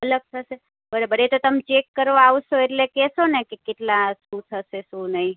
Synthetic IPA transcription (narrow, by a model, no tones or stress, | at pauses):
ələɡ̚t̪ʰəʃe | bəɽebəɽet̪ot̪əmt͡ʃekːəɾʋaaʋʃoeʈlekɛsonekekeʈlãʃũt̪ʰəʃeʃũnəĩ